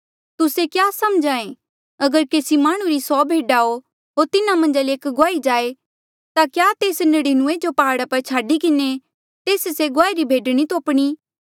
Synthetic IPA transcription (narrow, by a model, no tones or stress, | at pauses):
t̪ʊsekjaːsɐmd͡ʒãːẽ | ɐɡəɾkeːsimaːɽ̃ũɾisɔːbʱeːɖaːo | ɦoːɾt̪ɪnamɐ̃nd͡ʒaleeːkɡoaːid͡ʒaːe | t̪akjaːt̪eːsnɐɽinʊ̃ed͡ʒopɐɦaːɽapɐɾt͡ʃʰaːɖikɪne | t̪eːsseɡoaːiɾibʱeːɖɽ̃it̪oːpɽ̃iː